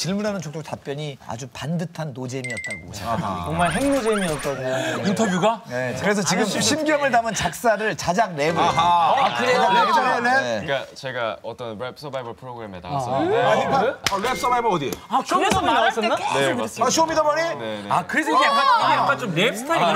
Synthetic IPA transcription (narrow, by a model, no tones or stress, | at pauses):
t͡ɕiɭmunɦanɯnt͡ɕʰokt͈ok̚tap͈̚jʌɲia̰d͡ʑupandɯtʰanːod͡ʑemiʌt̚t͈aɡo̰t͡ɕet͡ɕoŋmaɭɦe̞ŋnod͡ʑe̞miʌt̚k͈ʌdɯɲointʰʌbjuɡanekɯɾe̞s̬ʰʌt͡ɕiɡɯmɕʰimɡjʌmɯɭdamɯnt͡ɕak̚s͈aɾɯɭt͡ɕad͡ʑaŋne̞bukɯeɡaed͡ʑʌeneek͈at͡ɕe̞ɡaʌt͈ʌnɾep̚ʰs͈ʌbajbɯɭpʰɯɾoɡɯɾemeta̰s͈epʰaɾep̚ʰs͈ʌbajbɯʌdiakas͈ʌaaɕʰomidabʌɾineakɯɾesʰʌaieabant͡ɕomɾepstʰa